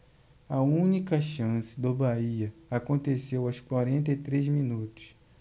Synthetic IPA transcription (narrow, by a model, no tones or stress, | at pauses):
ɐũnikɐʃɐ̃sɪ̥d̪ʊbaiɐakõnt̪esewɐwskwaɾẽnt̪ɐjt̪ɾezminut̪ʊ̥s